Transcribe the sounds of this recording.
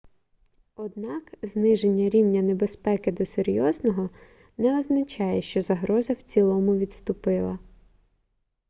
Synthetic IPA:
ɔd̪̚nɑkznɪʒenʲːɐɾʲiwnʲɐnebespɛkɪd̪ɔseɾʲjɔznɔɦɔ | nɛɔznɐt͡ʃɑjɛʃt͡ʃɔzɐɦɾɔzɐw̥t͡sʲilˠɔmʊʋʲid̪st̪ʊpɪlˠɐ

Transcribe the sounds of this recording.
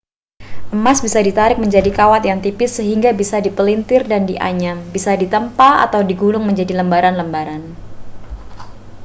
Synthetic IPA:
ʔəmasbisadit̪aɾɪk̚məɲd͡ʒadikawat̪jaŋt̪ipɪsːəɦiŋɡabisadipəlint̪ɪrdandiʔa̰ɲambisadit̪əmpaa̰t̪awdiɡulʊŋməɲd͡ʒadiləmbaɾanləmbaɾan

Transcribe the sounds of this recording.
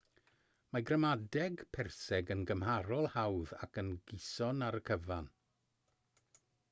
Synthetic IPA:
maɡrəmadɛɡpʰɛrsɛɡənɡəmhaɾɔlˠhawða̰kənɡɪsɔnaɾəkʰəvan

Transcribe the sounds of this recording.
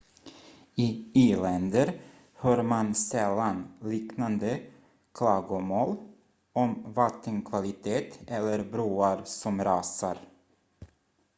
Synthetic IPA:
ɪiːlɛnd̪əɾ | hœːɾmansɛlːanliːknand̪ə | kʰlɑːɡʊmoːl | ɔmvat̪ʰːənkʰvalɪt̪ʰeːt̪ɛlːəɾbɾuːaɾsɔmɾɑːsa̰ɾ

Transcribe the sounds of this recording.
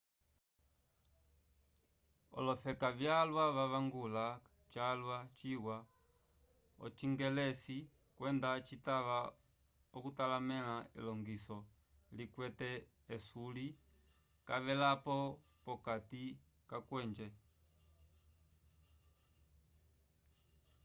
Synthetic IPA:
ɔ̰lɔfɛkavjalwaʋaβaŋɡula | t͡ʃalwat͡ʃiwa | ɔ̰t͡ʃiŋɡɛlɛsi | kwɛndat͡ʃitaʋa | ɔkutalamɛlaḭlɔŋɡisɔ | likwɛtɛː | suli | kaʋɛlapɔ | pɔkati | kakwɛːɲd͡ʒɛ

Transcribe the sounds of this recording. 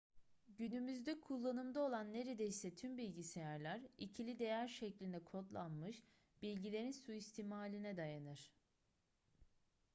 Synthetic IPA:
ɟynymyzd̪ɛkʰulˠːanɯmd̪aolˠanːe̞ɾe̞d̪ɛisɛt̪ʰymbilʲɟisejæɾlʲæɾicʰilʲid̪e̞jæɾʃɛclʲind̪ɛkʰo̞t̪lˠanmɯʃ | bilʲɟilʲe̞ɾinsuist̪ʰiːmaːlʲinɛd̪ajanɯɾ̥

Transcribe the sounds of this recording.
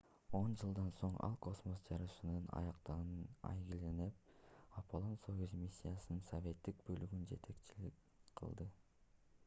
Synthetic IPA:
o̞nd͡ʒɯlˠd̪ɑnso̞ɴɑ̰lˠko̞smosd͡ʒɑɾɯʃɯnɯnɑ̰jɑqt̪ɑʁɯnɑ̰jɡilenep̚ɑpʰolˠonsojuzmʲisʲːijasɯnɯnsovʲe̞t̪ːik̚bølyɡynd͡ʒe̞̰t̪ʰe̞kt͡ʃilik | qʰɯ̰lˠd̪ɯ

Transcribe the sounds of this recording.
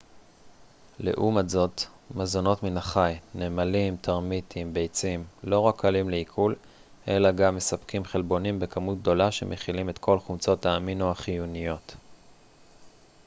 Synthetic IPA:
lḛʔumazo̞t̪ | mazono̞tminaχajne̞ːmalimtʰaʁmitʰimbe̞jt͡simlo̞ʁakːalimleikʰul | ʔe̞̰laɡamːe̞sapkimχelbo̞nimbe̞kamut̚ɡ̚d̪o̞laʃe̞̰mʔeχilime̞t̪kʰo̞lχumt͡so̞taːminoaχijunijo̞t

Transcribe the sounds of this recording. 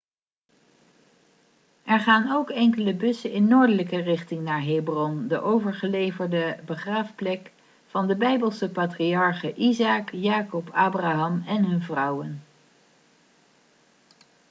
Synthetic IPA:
ɛɹχaːnowkɛŋkələbɵsəɪnːoːɹdələkərɪχtɪŋnaːɹɦejbrɔndəʔowvəɹχəlejvəɹdəbəχraːfplɛk | fɑndəbɛjbəlˠsəpaːtriɑɹχəʔizaːkjaːkɔpʰaːbraːɦɑmɛnɦɵnvrʌwən

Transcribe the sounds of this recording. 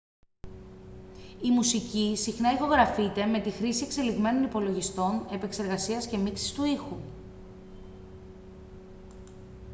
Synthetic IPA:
imusicisixnɐixo̞ɣɾɐfit̪e̞me̞t̪ixɾisie̞kse̞liɣme̞no̞nipo̞lo̞ʝist̪o̞ne̞pe̞kse̞ɾɣɐsiɐsce̞miksi̥st̪uixu

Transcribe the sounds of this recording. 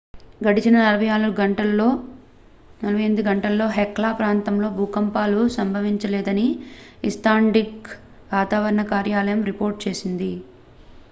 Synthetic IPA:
ɡɐɽit͡ʃinɐnɐlɐbʱɐjaːluɡɐɳʈɐloː | nɐlɐbʱɐjend̪uɡɐɳʈɐlːo̞ːɦɛklaːpɾaːnt̪ɐmlo̞ːbʱuːkɐmpaːlusɐmbʱɐʋiɲt͡ʃɐlɛːd̪ɐniisʈ̪aːɳɖik | ʋaːt̪aːʋɐɾɐɳɐkaːɾjaːlɐjɐmɾipo̞ːɾʈ̚t͡ʃe̞ːsind̪i

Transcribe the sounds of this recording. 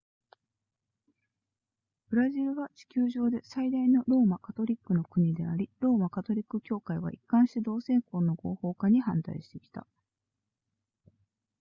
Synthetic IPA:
b̥ɯ̟ɾaʑiɾɯ̟βat͡ɕi̥kʲɨːʑo̞ːd̪e̞said̪aino̞ɾo̞ːmakat̪o̞ɾʲikːɯ̟no̞kɯ̟ɲ̟id̪e̞aɾʲiɾo̞ːmakat̪o̞ɾʲikːɯ̟kʲo̞ːkaiβ̞a̰ʔikːãɰ̃ɕt̪ed̪o̞ːsẽ̞ŋko̞ːno̞ɡo̞ːho̞ːkaɲ̟ihãnt̪a̰iɕi̥t̪e̞kʲi̥t̪a̰

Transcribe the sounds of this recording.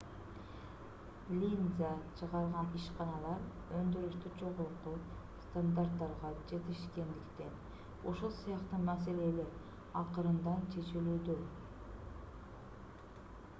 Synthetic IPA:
lʲinzat͡ʃʰɯʁɑɾˠʁɑniʃqɑnɑlˠɑɾ | ønd̪yɾyʃt̪yd͡ʒo̞ʁoɾqu | st̪and̪art̪ːɑɾʁɑd͡ʒe̞t̪iʃke̞nd̪ikt̪e̞n | uʃulˠsɑjɑqt̪ɑmɑse̞le̞le̞ɾ | ɑqɯɾɯnd̪ɑnt͡ʃʰe̞t͡ʃilyːd̪y

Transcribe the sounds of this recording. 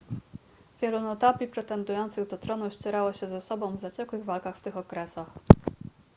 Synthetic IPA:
vʲjɛlunɔt̪apʲlʲipʂɛt̪ɛnd̪ujɔnt̪sɘɣd̪ɔt̪ɾɔnuɕt͡ɕɛɾawɔɕɛzɛsɔbɔ̃w̃vzat͡ɕɛkwɘɣvalkaxft̪ɘxɔkɾɛsax

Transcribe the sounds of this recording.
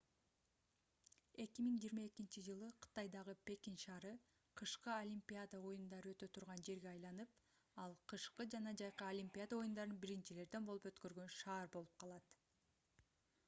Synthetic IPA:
e̞kʲimiŋd͡ʒiːɾmae̞kint͡ʃid͡ʒɯlˠɯqʰɯ̥t̪ɑjd̪ɑʁɯpe̞kʲinʃɑːɾɯ | qʰɯʃqɯolʲimʲpʲiad̪ao̞jund̪ɑɾɯø̞t̪ø̞t̪ʰuɾʁɑnd͡ʒe̞ɾɡeɑjlˠɑnɯp | ɑlˠqʰɯʃqɯd͡ʒɑnɑd͡ʒɑjqɯolʲimʲpʲiad̪ao̞jund̪ɑɾɯnbiɾint͡ʃile̞ɾd̪e̞nbo̞lˠupø̞t̪kø̞ɾɡø̞nʃɑːɾbo̞lˠup̚qʰɑlˠɑt̪

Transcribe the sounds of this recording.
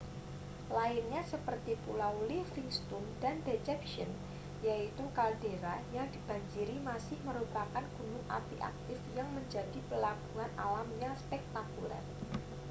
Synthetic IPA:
laɪnɲasəpərt̪ipulalɪfɪŋst̪undandet͡ʃɛpʃən | jait̪ukaldeɾajaŋdib̥a̤ɲd͡ʒiɾimasɪhməɾupakanɡ̥unʊŋʔa̰t̪ḭʔa̰k̚t̪ɪfjaŋməɲd͡ʒadipəlaɡ̥uŋanʔa̰lamɲaspɛk̚t̪akulɛ̰r

